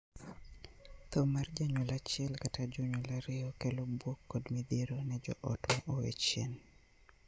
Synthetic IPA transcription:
t̪omard͡ʒaɲwɔlat͡ʃɪɛlkatad͡ʒɔɲwolaɾɪɔkɛlobwokːɔdmid̪iɾonɛd͡ʒɔ̰ʔɔtmɔʔowḛt͡ʃjen

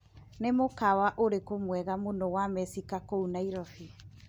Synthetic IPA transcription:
nemokawaʔoɾekomwɛɣamonɔwamɛsikakounaiɾɔfi

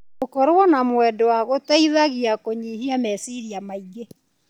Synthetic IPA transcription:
okɔɾwɔnamwɛdɔwaɣotaiðaɣiakoɲihiamɛsiɾiamaiɡe

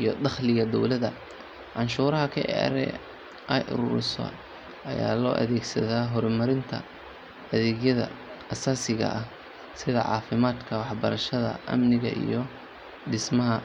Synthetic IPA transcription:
ʔijɔd̪ɑχlɪɣɐd̪ɔwlɐðɐ | ʕɑnʃuːɾɐɦɐkʰɐʔɛ̰ɾɛ̰ | ʔɛjʔʊ̰ɾuːɾɪsɔ̰ | ʔɐja̰ːlɔːʔɐ̰ðɛːɡsɐðaːɦɔɾmɐɾɪnt̪ʰɐ̰ | ɐðɛːɣjɐðɐ̰ː | saːsɪɣɐ̰ʔɐh | sɪðɐ̰ʕɑ̰ːfɪmaːd̪kʰɐwɑħbɐɾɐʃɐðɐ̰ʔɐ̰mnɪɣɐ̰ʔḭjɞ | ɖɪsmɐɦɐ

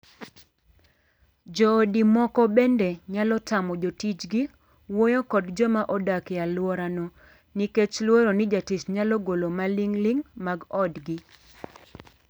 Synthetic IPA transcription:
d͡ʒɔːdimɔkɔbɛndɛɲalɔtamɔd͡ʒotit͡ʃɡi | wojokɔdd͡ʒɔmaʔɔdakɪjalwɔɾanɔ | niket͡ʃlwoɾonɪd͡ʒatisɲalɔɡolomaliŋlɪŋmaɡɔdɡɪ

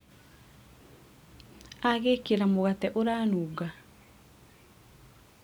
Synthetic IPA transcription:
aɣekeɾamoɣatɛʔoɾaːnuːɡa

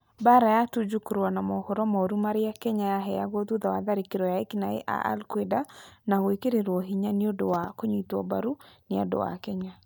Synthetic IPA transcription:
baɾajatud͡ʒukuɾwanamɔhoɾɔmaoɾumaɾeakɛɲajaɦɛaɣɔðuðawaðaɾekeɾɔjaekinaḛʔa̰ʔa̰lkwedanaɣwekeɾeɾwɔɦiɲaneodowakoɲwitwɔ̰baɾuneado̰wa̰kɛɲa

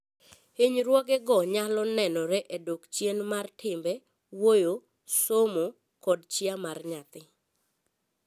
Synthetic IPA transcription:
eɲɾwɔɡɛɡɔɲalɔnɛnɔɾɛʔedokt͡ʃjenmartʰɪmbɛ | wojo | somo | kɔdt͡ʃiamarɲat̪ɪ

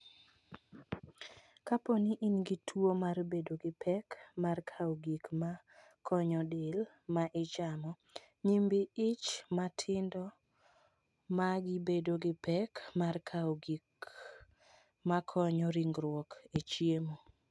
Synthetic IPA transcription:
kaponiʔinɡitʰwomaɾbedoɡɪpʰɛkmarkʰawɡikma | kʰɔɲɔdɪl | maʔɪt͡ʃamɔ | ɲimbiɪt͡ʃmatʰɪndɔ | maɡɪbedoɡɪpʰɛkmarkʰawɡik | makʰɔɲɔɾiŋɡɾwɔket͡ʃjemo

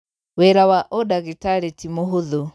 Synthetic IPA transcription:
wɛɾawaʔɔdaɣetaɾetimoɦoðo

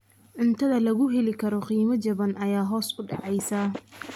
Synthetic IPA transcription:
ʕʊnt̪ʰɐðɐlɐɣʊɦɛlɪkʰɐɾɔqiːmɐt͡ʃɐβɐnʔɐjaːɦɔːsʊɖɑʕɑjsɐ

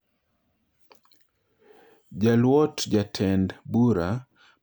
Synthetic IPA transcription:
d͡ʒalwɔtd͡ʒatʰɛndbuɾa

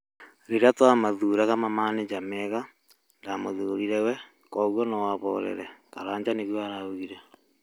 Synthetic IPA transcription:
ɾeɾeatɔamaðuɾaɣamamaned͡ʒamɛɣa | ndamoðoːɾiɾɛwɛ | kɔɣwɔnɔwaβɔɾɛ̰ɾɛkaɾaːɲd͡ʑaneɣwɔaɾaoɣiɾɛ

